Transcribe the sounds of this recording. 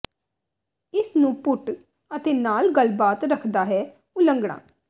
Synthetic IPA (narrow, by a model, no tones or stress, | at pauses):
ɪsnũːpʊʈ | ət̪eːnaːlɡəlbaːt̪ɾəkʰd̪aːɦɛː | ʊləŋɡɽa̰ː